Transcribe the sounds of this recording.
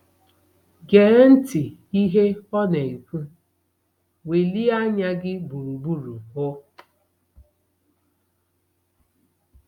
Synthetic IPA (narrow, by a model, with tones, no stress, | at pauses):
ɡe˨˦n̩˦tɪ˨i˦ɦe˦ɔ˦ne˨i˨ku˦ | we˨li˦a˦ɲa˦ɡɪ˦bu˨ɾu˨bu˦ɾu˨ɦʊ˦